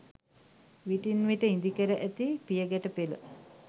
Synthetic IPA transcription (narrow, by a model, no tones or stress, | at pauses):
ʋiʈinʋiʈəind̪ikəɾəʔæt̪ipijəɡæʈəpelə̰